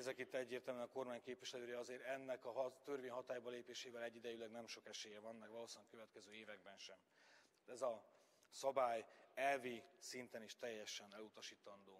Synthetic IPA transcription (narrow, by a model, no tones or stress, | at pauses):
zɛkit̪ːɛɟːeːrt̪ɛlmɛnɒko̞rmaːɲkeːpviʃlɛløːjɛɒzeːɾɛnːɛkɒɦɒt̪ørveːɲɦɒt̪aːjbɒleːpeːʃeːvɛlɛɟːid̪ɛjylɛɡnɛmʃo̞kɛʃeːjɛvɒnːɛkʋɒloːsɛŋkø̞vɛt̪kɛzøːeːvɛɡ̚bɛnʃɛm | t̪ːt̪ɛzɒ | sɒbaːjɛlvisint̪ɛniʃt̪ɛjːɛʃɛnɛlut̪ɒʃiːt̪ɒnd̪oː